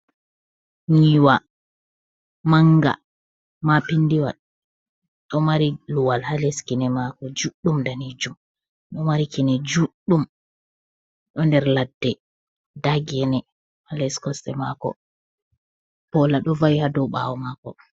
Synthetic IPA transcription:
ɲiwa | maŋɡa̰ | mapindiwa̰ | ɗɔmaɾiluwalhalɛskinɛmakɔd͡ʒuɗːumdanid͡ʒum | ɗɔmaɾikinɛd͡ʒuɗːum | ɗɔndɛɾladːɛ | daɡɛnɛ | halɛskɔstɛmakɔ̰ | pɔlaɗɔvajhadɔɓa̰wɔmakɔ̰

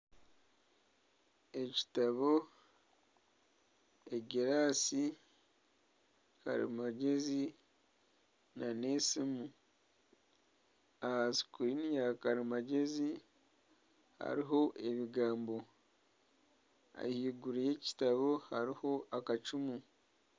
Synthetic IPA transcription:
e̞ci̥taβo | eɡeɾasi | ka̰ɾḭmaɟe̞zi | nanesimu | ahasi̥kuɾinijakaɾimaɟe̞zi | ha̰ɾiɦo̞ʔe̞βiɡaːmbo̞ | a̰hiːɡuɾije̞ci̥taβo̞haɾiho̞ʔakat͡ʃumu

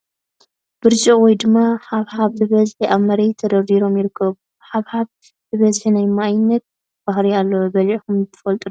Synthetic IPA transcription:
b̥ɨɾziwɔjd̪ɨmːaħaβhaβzɨβɐzħiʔaβmɐɾejt̪ʰɐd̪ɐɾd̪iɾo̞mjɪɾɨkʰːɐβu | ħaβhaβ | zɨβɐzħinajmajɪnːɐt̪̚ | b̥ahɾialːobɐlʕikumt̪ʰɨ̥fɐlt̪ʼud

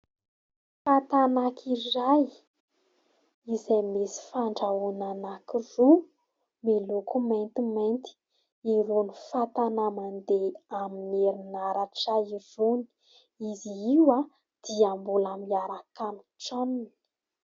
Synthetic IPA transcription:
fat̪anakʰiraj | izejmesi̥faɳɖ͡ʐaunanakiru | milokument̪iment̪i̥ | iɾunifat̪anamand̪eamineɾinaɾaʈ͡ʂaiɾuni̥ | iziiwa | d̪̥iambulamiaɾakamiʈ͡ʂaninii̥

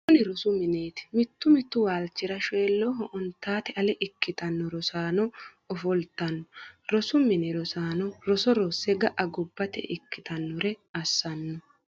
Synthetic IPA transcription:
kʊnɪɾɔsʊmɪneːt̪ɪ̥mɪt̪ːʊmɪt̪ːʊwaːlt͡ʃːɪɾɐʃeːlːɔɦɔʔɔnt̪ːaːt̪ɛʔɐlɛʔɪkːɪt̪ɐnːɔɾɔsaːnɔ | ɔfɔlt̪ɐnːɔɾɔsʊmɪnɛɾɔsaːnɔɾɔsɔɾɔsːɛɡɐʔɐɡɔbːɐt̪ɛ̰ʔɪkːɪt̪ɐnːɔɾɛɐsːɐnːɔ

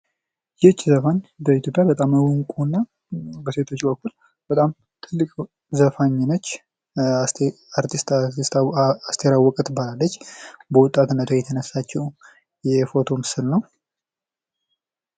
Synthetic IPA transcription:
jɛt͡ʃːzəfaɲd̪əit̪jo̞pʼjabət̪ʼamwɨŋkʼunːa | bəse̞t̪ʰo̞t͡ʃːbəkːul | b̥ət̪ʼam | t̪ʰɨlːɨkʼ | zəfaɲːɪnot͡ʃː | aɾt̪ʰist̪st̪ast̪ʰeɾawːɔkʼət̪balalːət͡ʃːbəwʊt̪ʼːat̪ɨnːət̪ʰojɛt̪ʰənəsːat͡ʃːɛw | jɛfo̞t̪ʰo̞mɨsɨlnəw

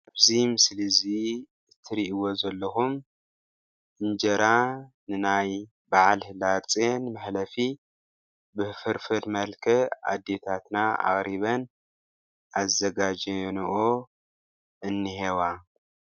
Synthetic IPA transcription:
abzimɨslizi | ɨt̪ʰːɨɾiʔiwo̞zɐlːɐxum | ʔɨnd͡ʒɐɾanɨnaj | baʕalhɨlaɾt͡sʼenmɐħlɐfi | bɨfɨɾfɨd̪mɐlkʰɐa̰d̪ːe̞t̪ʰat̪naa̰xʼɾiβɐn | ʔazɐɡad͡ʒɐniʔo | ʔɨnːihewa

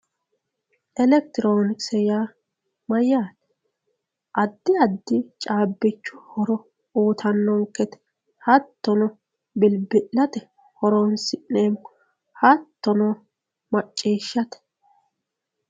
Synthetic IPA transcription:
ʔɛlɛk̚t̪ɪɾoːnɪksɛjaː | mɐjːaːt̪ɛ̥ | ʔɐd̪ːɪɐd̪ːɪt͡ʃʼaːbːɪt͡ʃːʊ̥hɔɾɔ | oːt̪ʰɐnːɔŋkːɛt̪ɛ̥ | hɐt̪ːɔnɔ | bɪlbɪʔːɐt̪ɛ | hɔɾɔnsɪʔːeːm | hɐt̪ːɔnɔ | mɐt͡ʃʼːiːʃːɐt̪ɛ̥

